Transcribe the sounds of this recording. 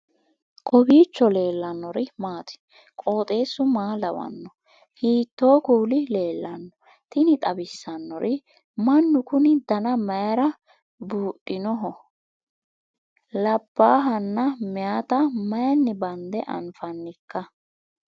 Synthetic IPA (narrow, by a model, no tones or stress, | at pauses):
kʼɔbiːt͡ʃːɔle̞ːlːɐnːɔɾɪmaːt̪ɪ̥ | kʼo̞ːt̪ʼe̞ːsʊmaːlɐwɐ̰nːɔ | hiːt̪ːo̞ːkuːlɪle̞ːlːɐnːɔ | t̪ɪnɪt̪ʼɐbɪsːɐnːɔɾʔɪ | mɐnːʊkʊnɪd̪ɐnɐmɐjɐɾɐ | buːʔʼːɪnɔɦɔ | lɐb̥ːaːɦɐnːɐmɪjaːt̪ɐmɐjɐnːɪbɐnd̪ɛʔɐ̰nfɐnːɪkːɐ